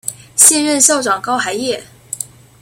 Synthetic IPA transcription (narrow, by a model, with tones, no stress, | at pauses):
ɕjɛ˥˧nɻə˥˧nʂo˥˩ʊʈ͡ʂwɑ˨˩ŋkɑ˥ʊxa˧˥ɪjɛ˥˩